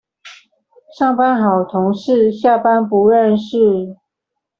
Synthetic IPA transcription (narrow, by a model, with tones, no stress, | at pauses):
ʂɑ˥˨ŋpa˦nxɑ˨˩ʊt̪ʰʊ˧˥ŋʂɻ̩˥˧ɕja˥˨pa˦npu˧˦ɻə˥˧nʂɻ̩˥˩